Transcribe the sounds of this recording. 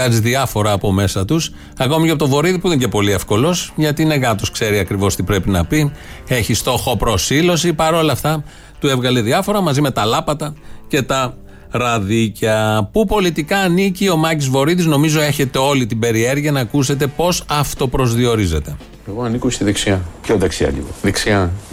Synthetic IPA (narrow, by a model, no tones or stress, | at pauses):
ɐziðiɐfo̞ɾɐːpo̞me̞sɐt̪us | ɐko̞miceɐp̬ot̪ovo̞ɾiðipuinecepo̞lie̞fko̞lo̞sʝɐt̪iːneɣɐt̪o̞skse̞ɾiɐkɾivo̞st̪ipɾe̞pinɐ̰pie̞çist̪o̞xo̞pɾo̞silo̞sipɐɾo̞lɐft̪ɐ | t̪ue̞vɣɐleðiɐfo̞ɾɐmɐzime̞t̪ɐlɐpɐt̪ɐce̞t̪ɐ | ɾɐðicɐpupo̞lit̪ikɐːnicio̞mɐcizvo̞ɾiðizno̞mizo̞e̞çe̞t̪e̞o̞lit̪ibe̞ɾie̞ɾʝiɐnɐːkuse̞t̪̬e̞po̞sɐft̪o̞pɾo̞zðio̞ɾize̞t̪e̞ | eɣoɐnikost̪iðiksiɐpçond̪ɐksiɐ̰ʎḭɣoðiksiɐ